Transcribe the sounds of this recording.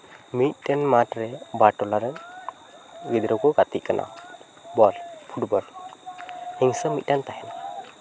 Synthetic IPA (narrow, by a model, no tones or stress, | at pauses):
mit̪̚ˀdɛnmatɾɛbaʈɔlaɾɛn | ɡid̪ɾɔkɔɡat̪iʔ̚kanʔa̰ | bɔlpʰuʈbɔɾ | hiŋsəmit̪̚dant̪aɦɛna